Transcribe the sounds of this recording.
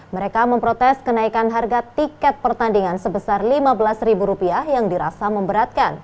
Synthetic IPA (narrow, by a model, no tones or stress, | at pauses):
məɾekaməmpɾot̪ɛskənaikanɦarɡat̪ikɛt̪̚pərt̪andiŋansəbəsarlimabəlasribuɾupiahjaŋdiɾasaməmbəɾat̪̚kan